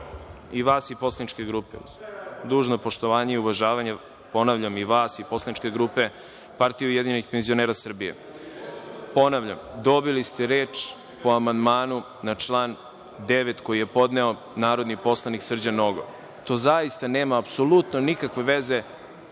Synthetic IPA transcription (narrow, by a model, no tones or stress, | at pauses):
iʋaːsipo̞slˠanit͡ʃke̞ɡɾuːpḛ | d̪uːʒnopo̞ʃt̪o̞ʋaːɲeiuʋaʒaːʋaɲe | po̞naʋʎamiʋaːsipo̞slˠanit͡ʃke̞ɡɾuːpe̞ | paɾt̪ijujed̪iɲenixpenzio̞neɾasr̩bijḛ | po̞naʋʎa̰md̪o̞bilist̪eɾeːt͡ʃ | po̞amand̪maːnu | nat͡ʃlˠaːn | d̪eʋet̪ko̞jije̞po̞d̪neo̞ | naːɾo̞d̪nipo̞slˠaniksr̩d͡ʑanoɡo̰ | t̪o̞ːzaist̪ane̞ːmaːpso̞lut̪nonikakʋe̞ʋe̞ze̞